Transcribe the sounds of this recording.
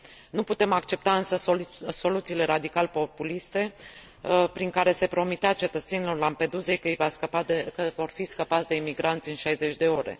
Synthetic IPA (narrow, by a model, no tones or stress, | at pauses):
nuput̪e̞makt͡ʃe̞p̚t̪aɨnsəso̞lut̪siːle̞ɾad̪ikalpo̞pulist̪e̞ | pɾiŋkaɾe̞se̞pɾo̞mit̪eat͡ʃe̞t̪ət̪se̞nilo̞rlampe̞d̪uze̞jkəjvasəpakəvo̞rfiskəpat̪sʲd̪e̞imiɡɾant̪sʲɨnʃajze̞t͡ʃʲd̪e̞o̞ɾḛ